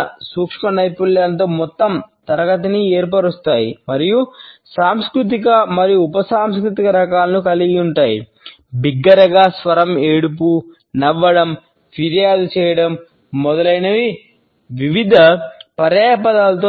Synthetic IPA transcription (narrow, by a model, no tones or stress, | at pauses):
suːkʂmɐnɐjpuljaːnt̪oːmɔt̪ːɐmt̪ɐɾɐɡɐt̪̬inieːɾpɐɽust̪aːjimɐɾijusaːmskɾut̪̬ikɐmɐɾijuːpɐsaːmskɾut̪ikɐɾɐkaːlɐnukɐliɡiuɳʈaːjḭ | biɡːɐɾɐɡaːsʋɐɾɐmeːɽup̬u | nɐʋːɐɽɐm | pʰiɾjaːd̪ut͡ʃɛːjɐɽɐmː | ɔd̪ɐlɐjnɐʋi | ʋiʋid̪ʱɐpɐɾjaːɐpɐd̪aːlɐt̪̬o